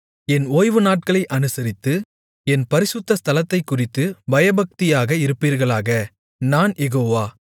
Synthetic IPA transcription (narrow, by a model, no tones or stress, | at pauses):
ɛnoːjʋɯnaːʈ̚kɐɭɐɪʔɐnɯsɐɾɪt̪ːɯ | ɛnpɐɾɪsʊt̪ːɐst̪ɐlɐt̪ːɐɪkːʊrɪt̪ːɯbɐjɐbɐk̚t̪ɪjaːɣɐɪɾɯpːiːɾɣɐɭaːɣɐ | naːnjɛɣoːʋaː